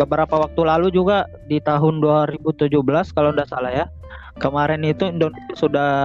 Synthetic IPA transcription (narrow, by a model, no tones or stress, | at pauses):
bəbəɾapawak̚t̪ulalud͡ʒuɡa | dit̪aɦʊnduaɾibut̪ud͡ʒuhbəlaskalowndahsalahja | kəmaɾɛnit̪undɔnit̪usuda